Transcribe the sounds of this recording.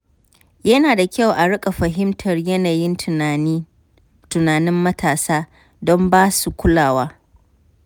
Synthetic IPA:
jɐ˦naː˨da˨kʲa˦˨wʔa˨ɽɪ˦kʼa˨ɸɐ˨ɦɪ˦mtʰɐ˨rjɐ˦naː˨jɪ˦nː˦ | tʊ˨naː˨nɪ˦mːɐ˦tʰaː˨saː˦ | dɔ˦mbaː˦su˨kʷʊ˦laː˨waː˦

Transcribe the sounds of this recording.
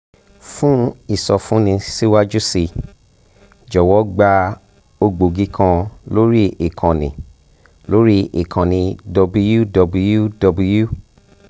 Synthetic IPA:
fũ˦i˦˨sɔ˨fũ˨˦nĩ˧si˦wa˦d͡ʒu˦si˧ | d͡ʒɔ˨wɔ˨˦ɡ͡ba˧ | o˧ɡ͡bo˨ɡĩ˦kʰã˧lo˦ɾi˦i˨kʰã˨nĩ˨ | lo˦ɾi˦i˨kʰã˨nĩ˧dɔ˧bu˧ju˦dɔ˨˧bu˧ju˦dɔ˧bu˧ju˦

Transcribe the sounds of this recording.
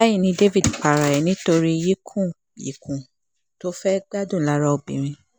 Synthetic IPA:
a˦ji˦˨nĩ˧de˦vi˦˨dk͡pa˨ɾa˨ɛ˨nĩ˦to˧ɾi˦ji˦kʰũ˦˨ | jḭ˨kʰũ˨ | to˦fɛ˦ɡ͡ba˦dũ˦˨la˨˦ɾa˧o˨bḭ̃˨ɾ̃ĩ˧

